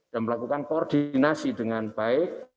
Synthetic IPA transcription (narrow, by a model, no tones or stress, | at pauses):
d̥anməlakukankoord̪̥inasid̥əŋanb̥aɪk̚